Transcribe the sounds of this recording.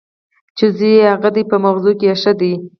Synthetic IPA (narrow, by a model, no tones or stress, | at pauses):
t͡ʃezihaɣad̪ipəmaxzokeaʃad̪i